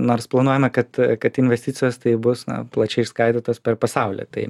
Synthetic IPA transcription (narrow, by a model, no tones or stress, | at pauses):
noːrsplˠɐnuɔjɛmɐkɐt̪kɐt̪ɪnʲʋʲɛsʲt̪ʲɪtt͡s̪ʲɪjoːst̪ɐɪbʊsnɐ̰plˠɐt͡ʃʲɛɪʃskɐɪt̪ʲɪt̪oːspʲɛɾpɐsɑʊlʲḛt̪ɐɪ